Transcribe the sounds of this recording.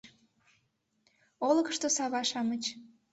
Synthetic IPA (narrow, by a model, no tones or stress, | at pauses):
oləkəʃt̪osɑβɑʃɑmət͡ɕ